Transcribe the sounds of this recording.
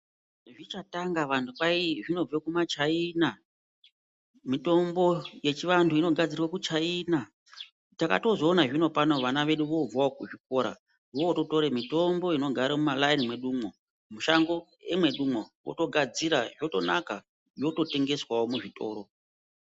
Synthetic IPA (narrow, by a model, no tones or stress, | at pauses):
ʐit͡ʃataŋɡaʋantʰupaiʐino̞vekumat͡ʃaina | mito̞mbo̞je̞t͡ʃiʋantʰuino̞ɡʱad͡zirwakut͡ʃaina | taka̰to̞zo̞ːnaʐino̞pano̞ʋanaʋe̞ɗuʋo̞b͡vwaokuʐik̚o̞ɾa̰ | wooto̞to̞ɾemito̞mbo̞ino̞ɡʱaɾemumalainimwe̞ɗumwo | muʃaŋɡo | emwe̞ɗumowo̰to̞ɡʱad͡ziɾaʐo̞to̞naka | jo̞to̞te̞ŋɡe̞swawomuʐito̞̰ːɾo̞